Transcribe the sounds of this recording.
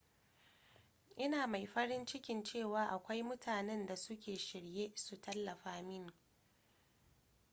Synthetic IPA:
ʔɪ˦naː˨ma˨jɸɐ˦ɽɪ˦nt͡ʃɪ˦kʲɪ˨nt͡ʃeː˦˨waː˨˦ʔa˨kʷa˦jmʊ˦tʰaː˨nɛ˦nda˨sʊ˦kʲeː˨ʃɪ˨ɽjeː˦su˨tʰɐ˦lːɐ˨ɸaː˦mɪ˦˨ŋ

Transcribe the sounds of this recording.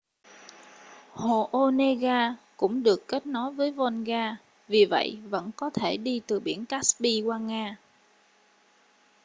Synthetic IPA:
ho˨˩ʔo˧ne˧ɣaː˧kʊ̰˧˥ŋ͡mɗɨ˨˩əkːe˦˥t̚nɔ˨˦jvəː˨˦jvɔ˧nɣaː˧ | vi˨˩və̰˧˨jvə̰˧˥nkɔ˨˦t̪ʰe˧˩ɗi˧t̪ɨ˨˩ɓi˧˩ənkaː˦˥sɓi˧kwaː˧ŋaː˧

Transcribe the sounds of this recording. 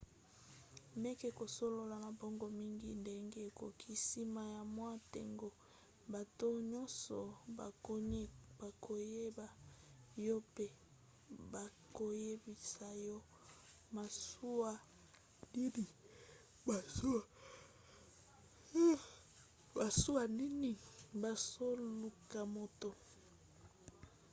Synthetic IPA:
ne˦ke˦ko˨so˦lo˦la˨ma˨bɔ˦ŋɡɔ˨mi˦ŋɡi˦nde˦ŋɡe˦˨ko˨kʰi˦si˦ma˨ja˨mwa˦tḛ˨ŋɡo˨ | ba˨to˦ɲɔ˦nsɔ̰˨ba˨˦ba˨kʰo˨je˦ba˨jɔ˦pe˦ | ba˨ | ko˨je˦bi˨sa˨jɔ˦ | ma˨su˦a˦ | di˦ni˨ | ba˨su˦a˨˦ | ba˨su˦a˨ni˦ni˦˨ba˨so˦lu˨ka˨mo˨to˨

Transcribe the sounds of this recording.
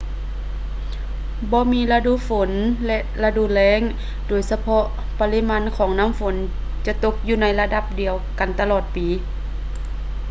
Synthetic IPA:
bɔː˧˦miː˧˥˨la˧duː˧˨fo˨˦nlɛ˧ʔla˧duː˧˨lɛː˧˥˨ŋ | doː˨˩jsa˧pʰɔ˧ʔ | pa˧li˧˥maː˧˥˨nkʰɔː˩˦ŋnaː˧˥˨mfo˨˦n | t͡ɕa˧t̪o˧˦k̚juː˧na˧˥jla˧da˧p̚di˨˩əwka˨˩nt̪a˧lɔː˧˩t̪̚piː˨˦

